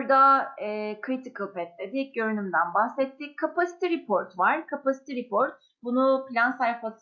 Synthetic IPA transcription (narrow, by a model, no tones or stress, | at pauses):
ɾd̪aɛːkʰɾit̪ʰikɯlˠpɛt̪̚lʲed̪ɪɟø̞ɾynymd̪ænbahsɛt̪ːikʰːapasi̥t̪ʰiɾipʰo̞ɾt̪vaɾ̥kʰapasi̥t̪ʰiɾipʰoɾt̪̚ | bunupilʲansajfas